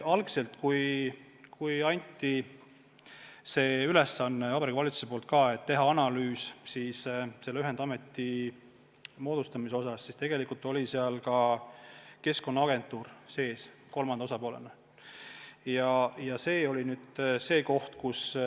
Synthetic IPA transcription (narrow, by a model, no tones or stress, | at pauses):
ɑlɡse̞lt̪kuj | kujɑnʲt̪ˑːi | se̞ːyle̞sɑnːevɑb̥ɑɾikːɑvɑlit̪suse̞polt̪̚kɑe̞t̪ːe̞ɦɑɑnɑlyːssiːsse̞lːeyɦed̪̥ɑme̞t̪ːi | mo̞ːd̪̥ust̪ɑmiseo̞sɑsːist̪e̞ɡ̥e̞likult̪o̞lʲiseɑlkɑ | ke̞sko̞nːɑɑɡe̞nt̪ːˑuːrse̞ːs | ko̞lmɑnd̪ɑosɑpo̞ːle̞̰nɑ | jɑjɑse̞ːo̞lʲinyːd̪̥se̞ːko̞ht̪kus